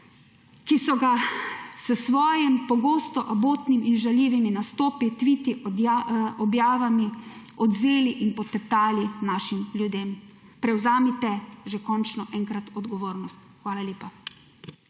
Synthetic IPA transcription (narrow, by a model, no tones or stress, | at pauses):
kisɔɡasəsʋɔːjɛmpɔɡoːst̪ɔʔaboːt̪niminʒaljiːʋiminast̪oːpit̪ʋit̪iʔ | ɔbjaːʋami | ɔd̪zeːliʔinpɔt̪ɛp̚t̪aːlinaːʃimljud̪eːm | pɾɛwzaːmit̪ɛʒɛkɔnt͡ʃnɔʔɛːŋkɾat̪ɔd̪ɡɔʋoːɾnɔst̪xʋaːlalʲjeːpa